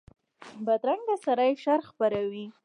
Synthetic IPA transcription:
bad̪ɾaŋɡd̪asaɾajʃaɾxpaɾawi

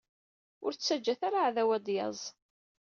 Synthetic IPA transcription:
ʊɾt͡sːæd͡ʒːæθaɾaʕðæwæd̪jɑ̰zˤ

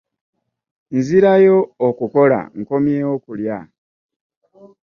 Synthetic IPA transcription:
nziɾajo̞ːkuko̞la̰ŋ̩ko̞mjeo̞kulja

